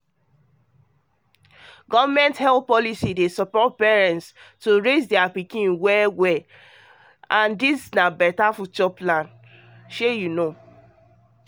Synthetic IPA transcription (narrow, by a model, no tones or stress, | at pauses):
ɡɔvamɛ̃nthɛlθpɔlisidesɔpɔt̚pɛɹɛ̃ntstoɹezdɛapikĩnwɛwɛ | ãndisnabɛtafut͡ʃɔplãn | ʃejuno